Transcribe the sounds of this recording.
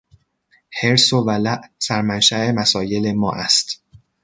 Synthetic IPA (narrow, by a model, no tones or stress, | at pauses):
he̞ɾsovælæʔsæɾmænʃæʔe̞mæsɒːje̞le̞mɒːʔæst̪